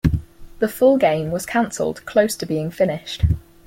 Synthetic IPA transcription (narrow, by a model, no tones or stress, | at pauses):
ðəfʊlˠɡẽɪ̃mwɒz̥kʰãnsə̰lˠd̥kʰl̥əʊstʰəbiːɪ̃ŋfɪnɪʃt